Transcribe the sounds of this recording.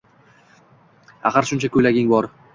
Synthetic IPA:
a̰χɑɾʃʊnt͡ʃʰakʰʲɵjlaɡʲɪŋbɒɾ

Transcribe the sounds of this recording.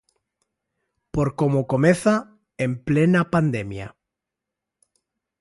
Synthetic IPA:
poɾkomokomeθa | emplenapand̪emja̰

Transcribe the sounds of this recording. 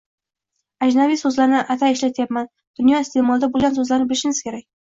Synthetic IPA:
ad͡ʒnavijsɵzlaɾnɪʔat̪ʰaeʃlat̪ʰɪjapman | d̪̥ʊnjɒɪst̪ʰe̞mɒlˠd̪abolˠɡʲansɵzlaɾnɪbɪlɪʃɪŋɪz̥kʲʰe̞ɾak̚ʲ

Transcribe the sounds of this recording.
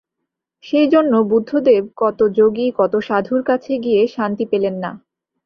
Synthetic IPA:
ʃejd͡ʑonːobud̪ʱːod̪eb̚kɔt̪od͡ʑoɡikɔt̪oʃad̪ʱuɾkat͡ɕʰeɡijeʃant̪ipelenːa̰

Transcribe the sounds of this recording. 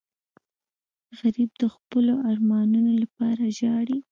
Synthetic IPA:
ɣaɾib̚d̪əxpəloʔɑɾmɑnunolapɑɾaʒɑɽi

